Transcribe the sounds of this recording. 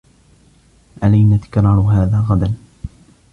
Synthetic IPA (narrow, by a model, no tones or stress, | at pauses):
ʔalajnat̪ɪ̥kɾˤɑːɾʊɦaːðaːɣad̪an